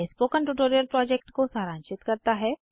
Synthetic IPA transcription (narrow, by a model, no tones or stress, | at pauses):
espoːkənʈuʈoːɾijəlpɾɔːd͡ʒek̚ʈkosaːɾãːɲt͡ʃɪt̪kɐɾt̪aɦɛ